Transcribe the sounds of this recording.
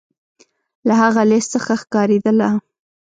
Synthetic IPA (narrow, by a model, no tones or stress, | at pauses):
lahaɣalɪst̪səxaxkɑɾed̪əla